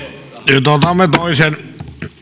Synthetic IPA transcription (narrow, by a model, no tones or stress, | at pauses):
t̪ot̪ɑmet̪oˑisen